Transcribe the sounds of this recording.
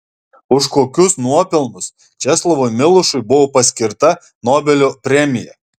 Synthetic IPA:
ʊʃkoːkʲʊsnuɔpʲɪlˠmʊs | t͡ʃʲɛslˠɔʋoːjmʲɪlˠʊʃʊɪbʊʋoːpɐsʲkʲɪɾt̪ɐ | noːbʲɛlʲoːpʲɾʲɛmʲɪjɛ

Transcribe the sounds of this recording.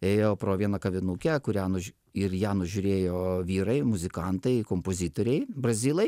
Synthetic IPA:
eːjoːpɾoːʋʲiɛnɐkɐʋʲɪnukʲɛkʊɾʲæːnʊʒ | ɪrjæːnʊʒʲʊɾʲeːjoːʋʲiːɾɐɪmʊzʲɪkɐnt̪ɐɪkompozʲit̪oːɾʲɛɪbrɐzʲiːlˠɐɪ

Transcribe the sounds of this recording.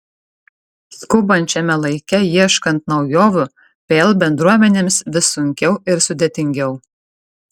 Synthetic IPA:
skʊbɐnʲt͡ʃʲɛmʲɛlˠɐɪkʲɛjiɛʃkɐnt̪nɒʊjoːʋʲʊ | pʲeːlˠbʲɛnd̪ɾuɔmʲɛnʲeːmsʋʲɪsʊŋʲkʲɛʊɪɾsʊd̪ʲeːt̪ʲɪŋʲɡʲɛʊ

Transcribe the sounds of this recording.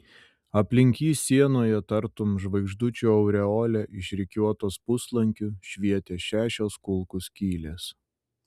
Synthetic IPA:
ɐpʲlʲɪŋʲkʲiːsʲiɛnoːjɛt̪ɐɾt̪ʊmʒʋɐɪɡʒd̪ʊt͡ʃʲuɐʊɾʲɛoːlʲɛʔɪʃʲɾʲɪkʲuɔt̪oːspʊslˠɐŋʲkʲʊʃʲʋʲiɛt̪ʲeːʃʲæːʃʲoːskʊlˠkʊskʲiːlʲeːs

